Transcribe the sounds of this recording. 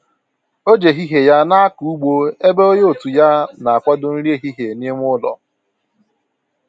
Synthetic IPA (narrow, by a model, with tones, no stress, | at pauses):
o˦d͡ʒe˨ɦi˦ɦe˨ja˦na˦ku˨u˦ɡ͡bo˦e˦be˦o˦jo˦o˨tu˨ja˦na˨a˨kʷa˦dʊ˦n̩˦ɾi˦e˦ɦi˦ɦe˨n˦i˦ŋʷ˦ʊ˦lɔ̰˨